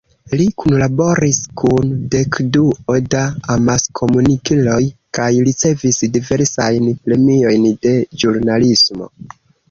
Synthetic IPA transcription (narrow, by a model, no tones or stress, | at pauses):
likunlabo̞ɾiskunde̞kduodaamaskʰo̞munikilo̞jkajɾit͡se̞visdive̞ɾsajnpɾe̞mio̞jnde̞d͡ʒuɾnalismo̞̰